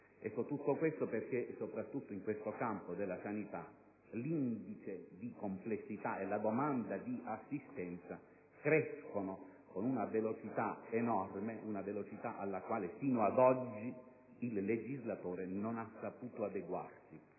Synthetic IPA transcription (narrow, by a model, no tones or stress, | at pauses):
ɛkːot̪ut̪ːokwest̪operk̟esopɾat̪ːut̪ːoiŋkwest̪okampod̪elːasanit̪a̰ | lind̪it͡ʃed̪ikomplesːit̪aelːad̪omand̪ad̪iʔasːist̪ɛnt̪sa | kɾɛskonokonunavelot͡ʃit̪aenɔrmeunavelot͡ʃit̪aʔalːakwaːlefiːnoad̪ɔd͡ʒːi | illːed͡ʒizlat̪oːɾenonasːapuːt̪oad̪eɡwa̰rsi